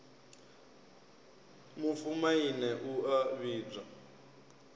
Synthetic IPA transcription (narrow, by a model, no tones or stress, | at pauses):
mufumainɛʔuaβiːb͡ʐa